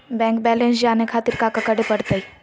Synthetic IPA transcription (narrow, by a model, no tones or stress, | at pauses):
bɛ̃ːŋkbɛːlẽns̬d͡ʒaːnekʰaːt̪ɪɾkakɐkəɽepɐɽt̪ai